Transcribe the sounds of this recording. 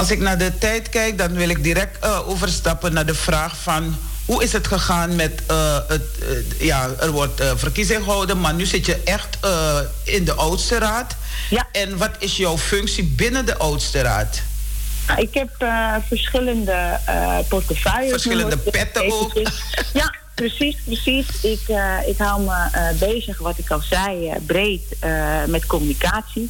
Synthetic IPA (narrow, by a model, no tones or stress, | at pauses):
ɑlˠsɪknaːdətɛjtkɛjk̚dɑnʋɪlɪk̚diɾɛk̚təoːvərstɑpənaːdəfraːxfɑn | huɪsɦətχəχaːnmɛtəətjaːərʋɔrtəfərkizɪŋxəɦɔwdənmarnyzɪtjəʔɛxtə | ɪndəʔɔwtstəɾaːt | ɛnʋɑtɪsjɔwfʏŋksibɪnədəʔowtstəɾa̰ːt | naɪkhɛpfərsxɪləndə̰pɔrtəfœjəfərsxɪlədəpɛtəo | ja | prəsisprəsisɪkɪkɦawlˠməbeːzəxʋɔtɪkɔlˠsɛjbreːtəmɛtkomynikaːsi